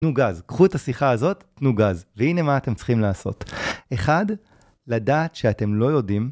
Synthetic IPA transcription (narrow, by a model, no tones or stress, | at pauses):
tnuɡazkχuetasiχaazo̞tːnuɡazveine̞maːtemt͡sχimlaːso̞̰te̞χad | ladaːt̪ʃeate̞mlo̞jo̞dim